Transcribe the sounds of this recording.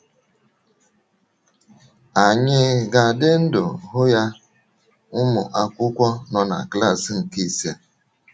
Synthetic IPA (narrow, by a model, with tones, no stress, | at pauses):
a˨ɲɪ˦ɡa˨dɪ˦n̩˦dʊ˨ɦʊ˦ja˦ | ʊ˦mʊ̰˨ʔa˦kʷʊ˦kʷɔ˦nɔ˨na̰˨kla˦˨sŋ̩˨ki˦˨si˨˦a˨